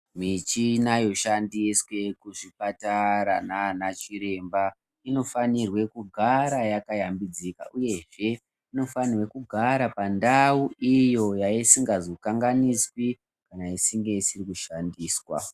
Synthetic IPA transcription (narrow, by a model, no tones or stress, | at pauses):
mit͡ʃinajo̞ʃandiswe̞kuʐipataɾananat͡ʃiɾe̞mba | ino̞fanirwe̞kuɡʱaɾajakajambid͡zika̰ʔuje̞ʐe̞ | ino̞fanirwe̞kuɡʱaɾapandauijo̞jaisiŋɡazo̞kaŋɡaniswi | kanaisiŋɡe̞isirikuʃandiːswa̰